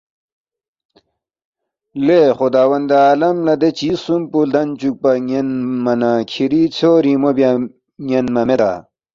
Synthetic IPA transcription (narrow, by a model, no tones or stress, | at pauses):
leχud̪aːwɐnd̪aːlɐmlɐd̪et͡ɕisumpuld̪ɐnt͡ɕuk̚pɐŋenmɐnakʰiɾit͡sʰoːɾimobja | ŋenmɐmed̪a̰ː